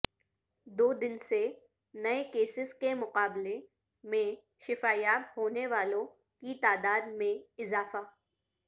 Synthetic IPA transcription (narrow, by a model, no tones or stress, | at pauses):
d̪oːd̪ɪnse | nɐekeːsɪskemʊqaːble | mẽ | ʃɪfaːjaːtɦoːneʋaːlõ | kit̪aːd̪aːd̪mẽɪzaːfaː